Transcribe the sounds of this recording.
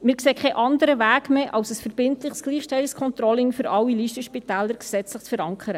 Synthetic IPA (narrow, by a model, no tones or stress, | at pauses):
mɪːɾkseːkʰχɛʔɑndəɾəvæːɡmeʔɑwsəsfəɾb̥ɪntlɪχsɡ̥liːχʃtɛlɪskʰɔnt̪ɾɔlɪŋfʏɾʔɑwːiliːʃtəʃpitæːləɾksɛt͡slɪχt͡sfəɾɑŋkʰəɾə